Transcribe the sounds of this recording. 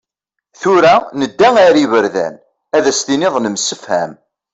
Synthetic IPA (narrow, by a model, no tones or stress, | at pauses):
θʊɾænəd̪ːæŋæɾivəɾðæ̰n | æðæst̪inɪðˤnəmsəfhæ̰m